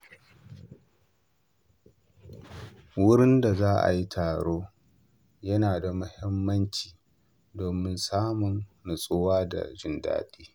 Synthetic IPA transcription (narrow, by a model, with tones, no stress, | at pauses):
wʊ˦ɽɪ˦nda˨zaː˦ʔa̰˨ji˦tʰaː˨ɽoː˦ | jɐ˦naː˨da˨mʊ˦hɪ˦mːɐ˦nt͡ʃiː˨ | doː˨mɪ˦nsaː˦mʊ˨nnʊ˨sʼʊ˦waː˦da̰˨d͡ʒɪ˦nda̰ː˦ɗiː˦